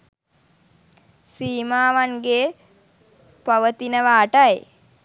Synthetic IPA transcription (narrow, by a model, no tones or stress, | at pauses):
siːmaːʋanɡe | paʋət̪inəʋaːʈəj